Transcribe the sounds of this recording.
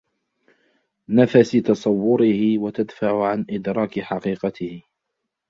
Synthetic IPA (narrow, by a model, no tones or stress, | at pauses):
nafasɪt̪ɑsˤɑwːʊɾɪhɪwat̪ad̪faʕʊʕanʔɪd̪ɾˤɑːkɪħɑqiːqɑt̪ɪh